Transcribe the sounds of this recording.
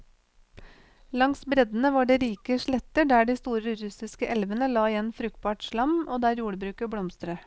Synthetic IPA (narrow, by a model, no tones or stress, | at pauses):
lɑŋsbɾɛd̪n̩əʋɑːɖeːɾiːkəʃlɭɛt̪əɖæːɖiːst̪uːɾəɾʉsɪskəʔɛlʋənəlɑːɪjɛnfɾʉk̚t̪̚bɑːʈʃɭɑmʔoːd̪æːɾjuːɽəbɾʉːkəbɽɔmst̪ɾə